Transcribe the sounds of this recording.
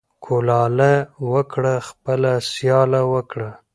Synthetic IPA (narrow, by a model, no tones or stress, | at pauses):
kʰolɑlawəkɽaxpəlasjɑlawəkɽa